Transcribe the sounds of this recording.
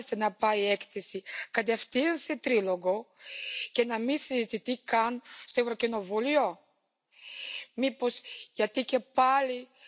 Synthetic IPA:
st̪enɐpɐiekθesikɐt̪̬eft̪inset̪ɾilo̞ɣo̞ | ce̞nɐmisizit̪iθikɐnst̪oe̞vɾo̞cino̞vulio̞ | mipo̞sʝɐt̪ice̞pɐli

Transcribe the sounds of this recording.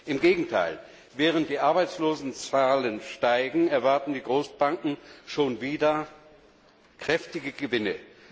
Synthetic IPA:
ʔɪmɡeːɡŋ̩tʰa̰ɪl | vɛːʁ̞ənt̚d̥iːʔaɐbaɪt͡sloːzn̩t͡saːlənʃtaɪɡŋ̩ɛɐvaɐtn̩diːɡʁoːsb̥aŋkŋ̩ʃoːnviːdɐ | kʁ̥ɛftɪɡəɡəvɪnə

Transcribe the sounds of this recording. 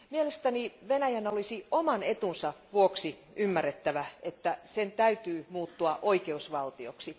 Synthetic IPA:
mielest̪æniʋenæjænolisiomɑnet̪unsɑʋuoksi | ymːærːet̪ːæʋæet̪ːæsent̪æyt̪yːmuːt̪ːuɑʔoikeusʋɑlt̪ioksi

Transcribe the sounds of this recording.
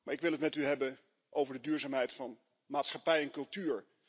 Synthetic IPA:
maːɹɪkʋɪlˠɦətmɛtyɦɛbən | ʔowvəɹdədyːɹzaːmɦɛjtfɑn | maːtsχɑpɛjɛnkɵlˠtyːɹ

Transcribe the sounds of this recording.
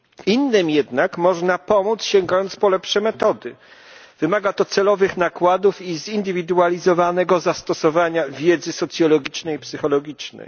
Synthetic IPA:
inːɘmjɛd̪nakmɔʐnapɔmut̪sɕɛŋɡajɔnt̪spɔlɛpʂɛmɛt̪ɔd̪ɘ | v̥ɘmaɡat̪ɔt̪sɛlɔvɘxnakwad̪ufizind̪ɘvʲid̪ualʲizɔvanɛɡɔzast̪ɔsɔvaɲavʲjɛd̪zɘsɔt̪sʲjɔlɔɡʲit͡ʂnɛjpsɘxɔlɔɡʲit͡ʂnɛ̰j

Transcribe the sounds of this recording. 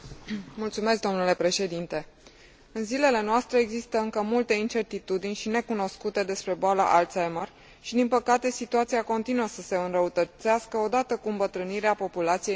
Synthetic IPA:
mult̪sume̞s̬k̚d̪o̞mnule̞pɾe̞ʃe̞d̪int̪e̞ | ɨnzile̞le̞noast̪ɾe̞eɡzist̪əɨŋkəmult̪e̞int͡ʃe̞rt̪it̪ud̪inʲʃine̞kuno̞skut̪e̞d̪e̞spɾe̞boala̰ʔalt̪sajmər | ʃid̪inpəkat̪e̞sit̪uat̪siako̞nt̪inuəsəse̞ɨnrəut̪ət̪saskəo̞d̪at̪əkuɨmbət̪ɾɨniɾeapo̞pulat̪sije

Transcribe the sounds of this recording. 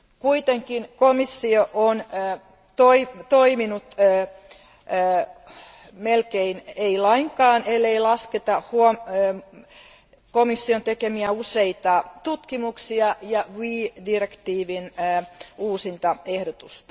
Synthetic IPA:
kuit̪eŋkinkomisːioʔonː | t̪oit̪oiminut̪ː | melkeineilɑiŋkɑːnelːeilɑsket̪ɑhuo | komisːiont̪ekemiæuseit̪ɑt̪ut̪kimuksiɑjɑʋiːdirekt̪iːʋinː | uːsint̪ɑehdot̪ust̪ɑ̥

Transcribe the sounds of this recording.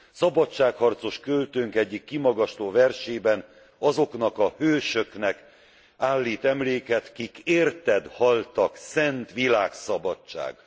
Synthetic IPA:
sɒbɒt͡ʃːaːkhɒrt̪so̞ʃkølt̪øŋkɛɟːikːimɒɡɒʃt̪oːvɛrʃeːbɛn | ɒzo̞knɒkɒhøːʃøknɛk | aːlːiːt̪ɛmleːkɛt̪kikeːrt̪ɛd̪hɒlt̪ɒksɛnt̪ʋilaːksɒbɒt͡ʃt͡ʃːa̰ːɡ

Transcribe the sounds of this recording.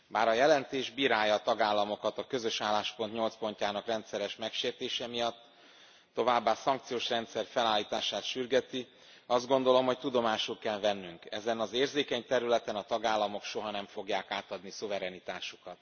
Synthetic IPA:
baːɾɒjɛlɛnt̪eːʒbiːɾaːjɒːt̪ɒɡaːlːɒmo̞kɒt̪ɒkø̞zø̞ʃaːlːaːʃpo̞nt̪ɲo̞lt̪spo̞ɲcaːnɒkrɛnt̪sɛɾɛʃmɛkʃeːrt̪eːʃɛmijɒt̪ː | o̞vaːbːaːsɒŋk̚t̪sijoːʃrɛnt̪sɛrfɛlaːlːiːt̪aːʃaːt̪ʃyrɡɛt̪i | ɒzd̪̚ɡo̞nd̪o̞lo̞mɦo̞ct̪ud̪o̞maːʃulkɛlvɛnːyŋkɛzɛnɒzeːrzeːkɛɲt̪ɛɾylɛt̪ɛnɒt̪ɒɡaːlːɒmo̞kʃo̞ɦɒnɛɱfo̞ɡjaːkaːt̪ɒd̪nisuvɛɾɛnit̪aːʃukɒt̪

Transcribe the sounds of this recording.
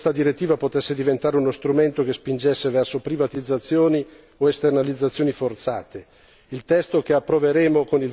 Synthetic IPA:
st̪ad̪iɾet̪ːiːvapot̪ɛsːed̪ivent̪aːɾeunost̪ɾument̪okespind͡ʒɛsːevɛrsopɾivat̪id̪zːat̪sːjoːni | oest̪ernalid̪zːat̪sjoːnifort̪sa̰ːt̪e | ilt̪ɛst̪okeapːɾoveɾeːmokonil

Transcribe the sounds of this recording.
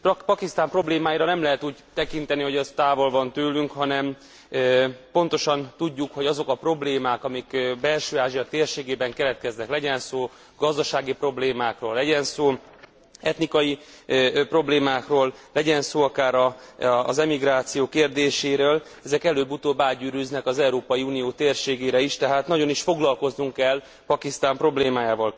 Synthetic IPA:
pɒkist̪aːmpro̞bleːmaːjiɾɒnɛmlɛɦɛt̪uːɟt̪ɛkin̪t̪ɛniɦo̞ɟɛst̪aːvo̞lvɒnt̪øːlyŋkhɒnɛm | po̞nt̪o̞ʃɒnt̪uɟːukho̞ɟɒzo̞kɒpro̞bleːmaːkɒmikbɛlʃøːaːʒijɒt̪eːrʃeːɡeːbɛŋkɛlɛt̪̚kɛznɛklɛɟɛnsoː | ɡ̥ɒzd̪ɒʃaːɡipro̞bleːmaːkroːlːɛɟɛnsoː | ɛt̪nikɒji | pro̞bleːmaːkroːlːɛɟɛnsoːɒkaːɾɒːzɛmiɡɾaːt̪sijoːkeːrd̪eːʃeːɾøːl | ɛzɛkɛløːbut̪oːbaːɟyːɾyznɛkɒzɛuɾoːpɒjiuːnijoːt̪eːrʃeːɡeːɾɛiʃt̪ɛɦaːt̪nɒɟo̞niʃfo̞ɡlɒlko̞znuŋkɛl | pɒkist̪aːmpro̞bleːmaːjaːvɒl

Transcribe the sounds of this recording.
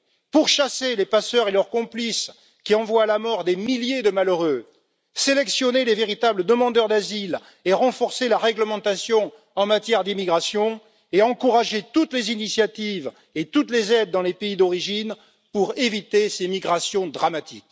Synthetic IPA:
puʁʃaselepasœʁelœʁkɔ̃plis | kʲiɑ̃vwaːlamɔʁd̪emiljed̪əmaløʁø | selɛksjɔneleveʁit̪abləd̪əmɑ̃d̪œʁd̪azil | eʁɑ̃fɔʁselaʁɛɡləmɑ̃t̪asjɔ̃ | ɑ̃mat̪jɛʁd̪imiɡʁasjɔ̃ | eɑ̃kuʁaʒet̪ut̪lezinisjat̪iv | et̪ut̪lezɛd̪̚ːɑ̃lepeid̪ɔʁiʒin | puʁevit̪esemiɡʁasjɔ̃d̪ʁamat̪ḭk

